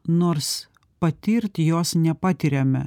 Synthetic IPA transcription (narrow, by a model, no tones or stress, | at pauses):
noːɾs | pɐt̪ʲiːɾʲt̪ʲjoːsnʲɛpɑːt̪ʲɪɾʲɛmʲɛ̰